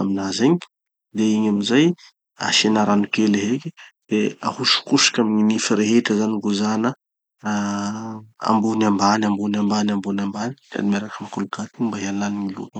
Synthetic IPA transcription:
aminazeɲi | d̪eiɲamizaj | a̰sinaɾanukeleɦeked̪̥ea̰huʃu̥kuʃi̥kʲamiɲinifiɾeɦeʈ͡ʂəzaniɡuzanə | a̰mbunambanambunambanambunambanik̪a̰nimaɾakamakulukat̪imbaɦalanimilṵt̪ə

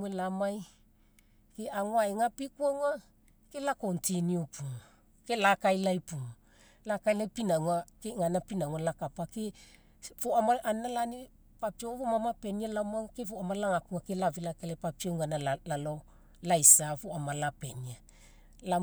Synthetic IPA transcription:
welamaj | keaŋwaeŋapikuaŋa | kelakontʰiniopʰuŋ | kelakajlajpuŋ | lakajlajpinaŋwakeŋanapinaŋualakapake | foamaʔanalane | papiovomamapenialamaŋkefoamalaŋakuŋakelavilakelepapioŋanaalalo | lajsafoamalapenia | la

